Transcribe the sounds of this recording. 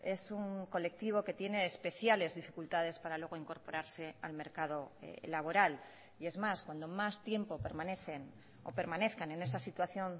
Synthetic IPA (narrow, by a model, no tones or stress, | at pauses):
e̞suŋko̞le̞k̚t̪iβ̞o̞ke̞t̪je̞ne̞ːspe̞θjale̞zðifikult̪að̞e̞spaɾalwe̞ɣo̞iŋko̞ɾpo̞ɾaɾse̞a̰lme̞ɾkað̞o̞ḛlaβ̞o̞ɾal | ie̞zmaskwand̪o̞mast̪je̞mpo̞pe̞ɾmãne̞θen | o̞̰pe̞ɾmane̞θkane̞ne̞sasit̪waθjo̞n